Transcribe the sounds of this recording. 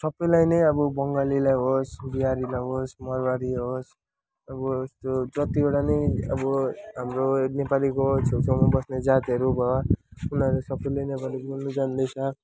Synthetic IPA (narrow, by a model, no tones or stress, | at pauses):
sʌbːʌjlajnʌjʌbʌbʌŋɡalilajɦosbiɦaɾilajɦosmʌrbaɾiɦos | ʌbʌst̪od͡zʌt̪ioɽanʌjʌ̰bʌɦamronepalikot͡sʰewt͡sʰʌwmabʌsned͡zat̪iɦʌɾubʱʌwaunʌlesʌbːʌjlajnepalibolnud͡zand̪ʌjsʰʌ